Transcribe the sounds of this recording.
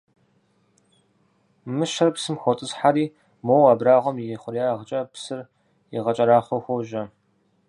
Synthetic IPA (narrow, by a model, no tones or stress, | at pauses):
mɨʃɐrpsɨmxʷɔtʼɨsħaɾiː | moːwaːbraːʁʷɔmjɪjɛχʷʊɾjaːʁət͡ʃʼɐpsɨr | ḭʁɐt͡ʃʼɐɾaːχʷɔxʷoʒɐ